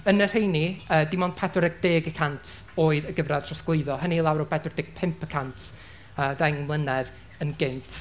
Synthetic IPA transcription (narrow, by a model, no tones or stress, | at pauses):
ənər̥ejniəːdɪmɔnpʰɛdɔɾɛɡ̚d̥eːɡəkʰantʰoːɨðəɡəvrað̥ʰr̥ɔsɡ̥lˠɨɨðɔɦənilˠawɾɔpʰɛdɔrdɪːɡ̥̚pʰɪmpʰəkʰantʰ | əːðɛŋmlˠənɛð | ənɡɪntʰ